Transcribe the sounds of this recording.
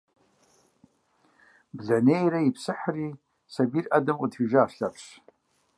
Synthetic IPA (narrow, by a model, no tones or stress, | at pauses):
bɮanejɾaipʰsɨħari | sabirʔadamudʰħiʒaːʂɬapʰʂ